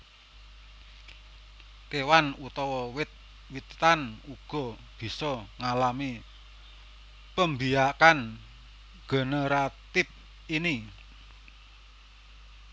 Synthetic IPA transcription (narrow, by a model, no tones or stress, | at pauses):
t̪ewanut̪ɔwɔwɪt̪̚ | wit̪anuɡ̥ɔ̤ | b̥i̤sɔŋalami | pəmbijakan | ɡ̥ə̤nəɾat̪ɪp̚ | ini